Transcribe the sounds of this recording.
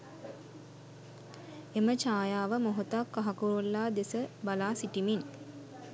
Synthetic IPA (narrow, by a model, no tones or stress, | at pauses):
emət͡ʃaːjaːʋəmoɦot̪akːaɦakuɾulːaːd̪esəbalaːsiʈimin